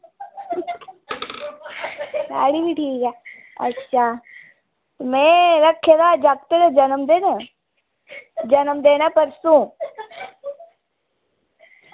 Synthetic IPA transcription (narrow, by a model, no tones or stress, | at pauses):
ɡa̰ːɽibʱiʈʰiːkaː | ɐ̰tːɕʰaː | t̪omɛ̃ɾɐkʰːed̪ad͡ʒak̚t̪ed̪ed͡ʒɐnəmd̪eːnə | d͡ʒɐnəmd̪eːnapəɾsũ